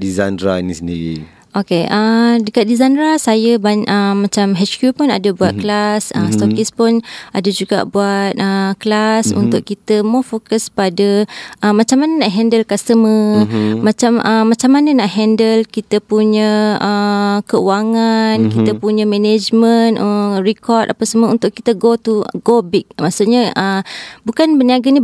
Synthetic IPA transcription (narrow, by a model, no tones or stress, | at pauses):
dizandɾainisəndiɾḭ | ʔokeʔədəkat̪̚dizandɾasajəbaɲʔəːãt͡ʃamɦɛt͡ʃkjupʊna̰dəbuat̪̚klasəst̪okispʊnadəd͡ʒuɡa̰ʔbuat̪̚əklasṵnt̪ʊkkit̪əmɔfokəspadəʔəmat͡ʃamːanənaʔɦɛndəlkasəməmat͡ʃaməːat͡ʃamːanənaʔɦɛndəlkit̪əpuɲəəkəṵaŋankit̪əpuɲəmɛned͡ʒmənərikɔrd̪a̰pəsəməṵnt̪ʊʔkit̪əɡot̪uɡobik̚maʔsuʔ̚ɲəəmbukanbəniaɡani